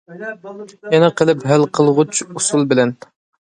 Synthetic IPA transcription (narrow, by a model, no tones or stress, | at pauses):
jɛnɛqʰəlˠɪpɦælqʰəlˠʁʊt͡ʃʰusulˠbɪlɛn